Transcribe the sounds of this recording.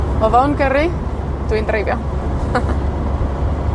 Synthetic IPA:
ɔvawnɡəɾi | d̥windrejvjɔ

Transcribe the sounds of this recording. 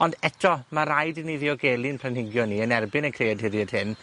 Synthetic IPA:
ɔndɛtʰɔmaɾajdniðiɔɡeːlˠiənpʰlanɪɡjɔniənɛrbɪnəkʰreːədhɪɾjɛd̥hɨn

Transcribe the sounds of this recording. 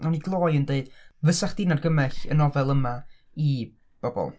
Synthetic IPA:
ɔniɡlˠoːjəndeɨd̥vəsaχd̥inarɡəmɛɬənɔvɛlˠəma | i | b̥ɔbɔ̰lˠ

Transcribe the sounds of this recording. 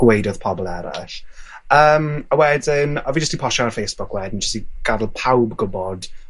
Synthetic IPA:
wejdɔð̥pʰɔbɔlˠɛɾa̰ɬ | əːməwɛdɪnɔvid͡ʒəstdipʰɔʃaarfejsb̥ʊkʰwɛdn̩d͡ʒəstiɡ̥adlˠpʰawbɡʊbɔd̥

